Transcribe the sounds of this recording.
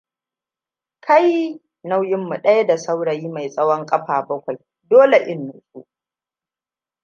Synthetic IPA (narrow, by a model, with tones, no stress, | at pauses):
kʰa˦j | na˦wjɪ˦mːu˨ɗɐ˦ja˦da˨sa˦wɽɐ˨jiː˦ma˨jsʼɐ˦wɔ˦ŋkʼɐ˦ɸaː˨bɐ˦kʷa˨j | doː˦le˨ʔɪ˦nːʊ˨sʼṵ˦ʔ